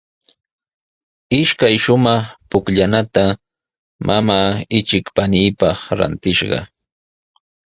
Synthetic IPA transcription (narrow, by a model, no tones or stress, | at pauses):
ɪʃkajʃʊmɑχpʊkʎanat̪a | mʔamaːɪt͡ʃɪkpaniːpɑχɾa̰nt̪ɪʃɢɑ̰